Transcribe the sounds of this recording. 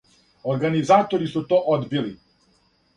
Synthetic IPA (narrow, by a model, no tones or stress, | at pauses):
oɾɡanizaːt̪oɾisut̪oːʔod̪bili